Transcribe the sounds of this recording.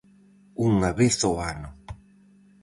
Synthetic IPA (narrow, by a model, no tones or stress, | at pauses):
uŋaβeθoano